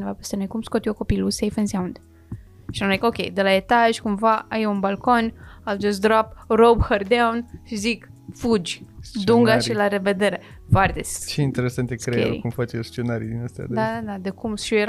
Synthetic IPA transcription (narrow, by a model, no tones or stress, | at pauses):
nevapest̪enojkumskot̪ioko̞pilusejfensaũnd̪ | ʃinmzikokʲejd̪elaet̪aʒʲkumvaʔajunbalko̞nald͡ʒast̪d̪ɾaprobhərd̪aunʃizikfud͡ʒʲd̪uŋɡaʃilaɾeved̪eɾe | fart̪est͡ʃeint̪eɾesant̪ʲekɾeḛḭkumfat͡ʃest͡ʃenaɾḭd̪inast̪a̰d̪d̪ad̪ad̪ad̪ekumʃieɾ